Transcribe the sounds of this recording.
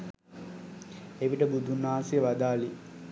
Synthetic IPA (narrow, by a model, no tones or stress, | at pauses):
eʋiʈəbud̪ʱunaːsijəʋad̪aːli